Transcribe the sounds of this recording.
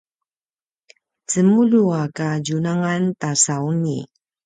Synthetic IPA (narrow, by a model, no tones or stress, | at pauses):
t͡səmuluakaɟunaŋantasaunḭ